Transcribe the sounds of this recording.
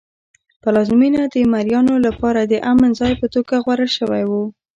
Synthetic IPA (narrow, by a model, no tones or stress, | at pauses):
pəlɑzminad̪əmaɾjɑnolapɑɾad̪əʔamənzɑjpət̪oɡaɣwaɾəlʃəwajwu